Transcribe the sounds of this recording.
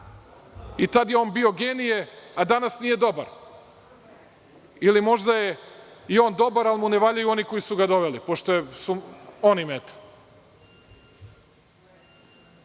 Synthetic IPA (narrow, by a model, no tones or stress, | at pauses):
it̪ad̪jeo̞ːnbio̞ɡeːnijead̪anasnije̞d̪o̞ba̰ɾ | ilimo̞ʒd̪ajeio̞ːnd̪o̞baɾalimuneʋaːʎajuo̞niko̞jisuɡad̪o̞ʋelipo̞ʃt̪ojesuonimet̪ḁ